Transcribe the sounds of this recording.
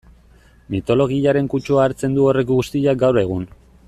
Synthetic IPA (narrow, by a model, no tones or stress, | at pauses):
mit̪o̞lo̞ɣ̞iaɾe̞ŋkut͡ʃuaːɾt͡se̞nd̪uo̞re̞kɡust̪iʎaɡawɾe̞ɣ̞un